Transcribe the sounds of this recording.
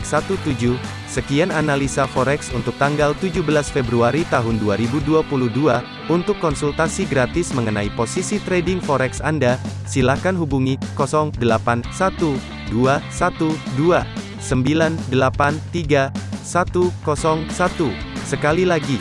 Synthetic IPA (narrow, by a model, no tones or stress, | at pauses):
ksat̪ut̪ud͡ʒuh | səkiananalisafɔɾɛksunt̪ʊk̚t̪aŋɡalt̪ud͡ʒubəlasfebɾuaɾit̪aɦʊnduaɾibuduapuluhdua | unt̪ʊkːɔnsult̪asiɡɾat̪ɪsməŋənaiposisit̪ɾedɪŋfɔɾɛksandasilakanɦubuŋikɔsɔŋdəlapansat̪u | duasat̪udua | səmbilandəlapant̪iɡasat̪ukɔsɔŋsat̪usəkalilaɡi